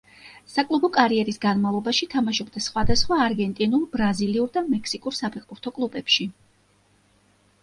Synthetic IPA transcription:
sakʼlˠubɔkʼaɾiɛɾisɡanmavlˠɔbaʃit̪ʰamaʃɔbd̪asχwad̪asχwaːɾɡɛnt̪ʼinulˠbɾaziliuɾd̪amɛkʰsikʼuɾsapʰɛqʼbuɾt̪ʰɔkʼlˠubɛpʃi

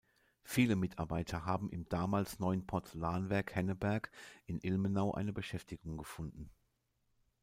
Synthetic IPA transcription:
fiːləmɪtʰaɐbaɪtʰɐɦaːbm̩ɪmd̥aːmaːlsnɔʏənpʰɔɐt͡səlaːnvɛɐkhɛnəbɛɐkʔɪnʔɪlmənaʊʔa̰ɪnəbəʃɛftɪɡʊŋɡəfʊndn̩

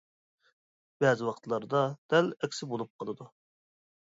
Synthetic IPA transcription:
b̥ɛzɪwɑqt̪ʰlˠɑɾd̪ɑd̪̥ɛlɛkʲsɪbolˠup̚qʰɑlˠɨd̪u

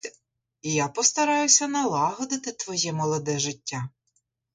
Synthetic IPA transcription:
ijapɔst̪ɐɾɑjʊsʲɐnɐlˠɑɦɔd̪ɪt̪ɪt̪ʋɔjɛmɔlˠɔd̪ɛʒɪtʲːa

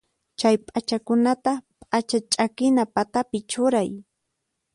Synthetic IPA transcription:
t͡ʃajpʼat͡ʃakʊnat̪apʼat͡ʃat͡ʃʼakɪnapat̪apɪt͡ʃʊɾaj

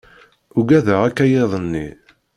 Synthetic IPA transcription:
ʊɡæðəʁækːæjeðˤənːi

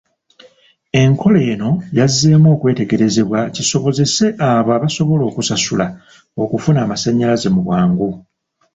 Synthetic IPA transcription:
e̞ŋkʰo̞le̞ːno̞jazːe̞ːmwo̞ːkwe̞ːte̞ɡe̞ɾe̞ze̞βwaciso̞βo̞ze̞se̞ʔaːβoaːβaso̞βo̞lo̞ːkusasula | o̞kufunaːmasaɲːalaze̞muβwaːŋɡu

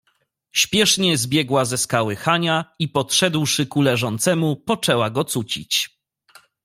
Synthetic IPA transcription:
ɕpʲjɛʂɲɛzbʲjɛɡwazɛskawɘxaɲaipɔt̪ʂɛd̪wʂɘkulɛʐɔnt̪sɛmupɔt͡ʂɛwaɡɔt̪sut͡ɕḭt͡ɕ

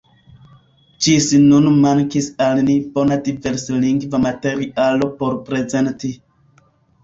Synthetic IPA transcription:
d͡ʒisnunmaŋkisalnibo̞nadive̞ɾsliŋɡvamate̞ɾiʔalo̞po̞ɾpɾe̞ze̞nti

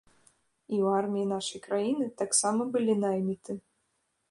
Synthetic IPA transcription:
iwarmʲijinaʂɐjkɾajinɨt̪aksamɐbɨlʲinajmʲit̪ɨ

